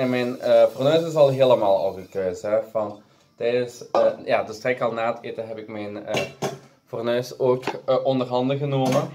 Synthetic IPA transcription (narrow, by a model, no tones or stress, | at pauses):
ɛmɛjnəpronøːsɪsɑlˠɦeːlˠəmaːlˠɔ̰vərtøːsɛv̥ɑn | tɛjdəsjaːdəstrɛkɑlˠnaːətʰeːtəɦɛpɪkmɛjnə | fɔrnœːsoːkʔɔndərɦɑndəɣənoːmə